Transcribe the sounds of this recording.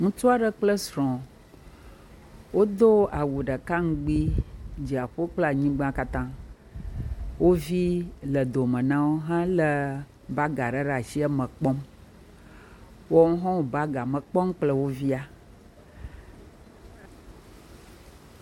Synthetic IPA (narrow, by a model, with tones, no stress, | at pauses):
ŋũ˦t͡ʃu˦a˦ɖə˦k͡plə˦sɾɔ̃˨ | wo˦d̪o˦a˨wu˨ɖə˨ka˦ŋ̩˦ɡ͡bi˦d͡ʑi˨a˨ɸo˦k͡pla˨ɲĩ˦ɡ͡bã˦ka˦t̪ã˦ | wo˦vi˦lə˨d̪o˨mə̃˨nã˦wo˦ɦã˦lə˦˨ | ba˦ɡa˨ɖə˦ɖa˨si˦ə˦mə̃˨k͡pɔ˦m | wo˦ŋ̩˦ɦɔ̃˦o˨ba˦ɡa˨mə̃˨k͡pɔ˦mk͡plə˦wo˦vi˦a˦